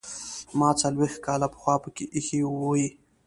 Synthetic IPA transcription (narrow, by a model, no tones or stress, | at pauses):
mɑt͡salwext̪̚kɑlapə̥xwɑpəkeʔixiwoji